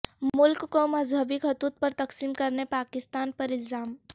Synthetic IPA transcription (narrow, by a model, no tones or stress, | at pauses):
mʊlkːomɐzɦəbɪkɦɐt̪uːt̪̚pɐɾt̪ɐksiːmkɐɾnepaːkɪst̪aːnpɐɾɪlzaːm